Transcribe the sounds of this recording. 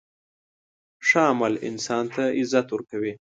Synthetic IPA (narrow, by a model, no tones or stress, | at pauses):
ʂaːmalɪ̰nsɑnt̪ʰaɪzat̪wəɾkawi